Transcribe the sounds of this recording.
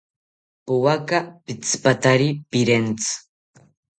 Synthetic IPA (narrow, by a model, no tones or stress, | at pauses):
puwakapit͡spat̪aɾipiɾent͡s